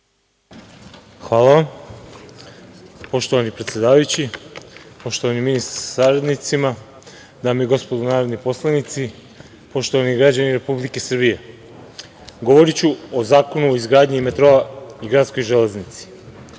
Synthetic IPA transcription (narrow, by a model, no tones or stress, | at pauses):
xʋaːlˠaʋam | po̞ʃt̪o̞ʋanipɾet̪sje̞d̪aːʋajut͡ɕi | po̞ʃt̪oʋaniminist̪aɾssaɾed̪nit̪sima | d̪aːmeɡo̞spo̞d̪unaːɾod̪nipo̞slˠanit̪si | po̞ʃt̪oʋaniɡɾad͡ʑaniɾe̞publike̞sr̩bije̞ | ɡo̞ʋo̞ɾit͡ɕuozaːko̞nuoizɡɾaːd̪ɲiːme̞t̪ɾo̞aiɡɾat̪sko̞jʒele̞znit̪si̥